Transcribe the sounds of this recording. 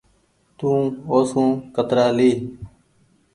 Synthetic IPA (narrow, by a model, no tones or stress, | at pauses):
t̪ũːoːsũːkət̪ɾaːleː